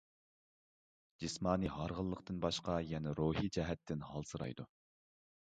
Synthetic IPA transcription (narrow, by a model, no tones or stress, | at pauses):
d͡ʒismɑːniɦɑɾʁəlˠːəqt̪ɨnbɑʃqɑjɛnɛɾoːɦid͡ʒɛɦɛt̪ʰːɪnhɑlˠsɨɾɑ̰jd̪u